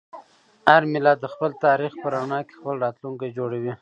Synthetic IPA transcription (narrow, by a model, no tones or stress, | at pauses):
aɾmɪlɑd̪əxpəlt̪ɑɾixpəɾaɳɑke̥xpəlɾɑt̪luŋkajd͡ʒoɽawi